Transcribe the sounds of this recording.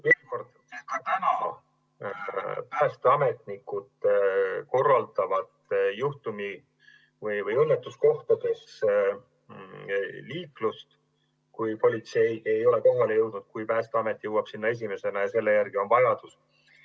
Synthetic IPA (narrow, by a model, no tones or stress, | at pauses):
veːlko̞rd̪̥ | kɑt̪ænɑ | pæːst̪eɑme̞t̪ˑnikːud̪ | ko̞rːɑlt̪ɑvɑt̪juht̪umi | vɯjvɯjɤnːet̪ːˑusko̞ht̪ɑd̪e̞s | liːklust̪ | kujpo̞lʲit̪se̞je̞jo̞le̞ko̞ɦɑlejɤwd̪̥nud̪̥kujpæːst̪eɑme̞t̪ːˑjɤwɑb̥sinːɑe̞s̬imese̞nɑjɑse̞lːe̞jærɡ̥io̞nvɑjɑd̪̥us